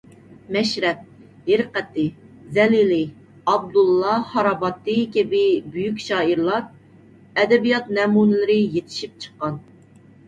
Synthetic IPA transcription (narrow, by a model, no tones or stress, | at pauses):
mɛʃɾɛt̪̚ | hɪɾqɛt̪ːɪzɛlilɪ | ɑb̚d̪ulˠːɑhɑɾɑbɑt̪ːɨkʲɪbɪbyjykʲʃɑːiɾlˠɑɾ | ɛd̪ɛbijɑt̪mɛmunɪlɪɾɪjet̪ʰɪ̥ʃip̚t͡ʃʰə̥qːɑn